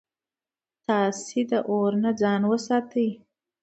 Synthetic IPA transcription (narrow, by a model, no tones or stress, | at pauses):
t̪ɑsed̪əʔoɾnad͡zɑnwəsɑt̪əj